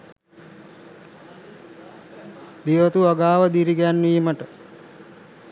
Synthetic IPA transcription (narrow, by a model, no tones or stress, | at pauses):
d̪iʋət̪uaɡaːʋəd̪iɾiɡɛanːiːməʈə